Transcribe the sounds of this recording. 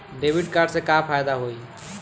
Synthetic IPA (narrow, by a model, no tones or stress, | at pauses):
ɖebʱiʈkaɾɖsẽkapʰajd̪aɦoj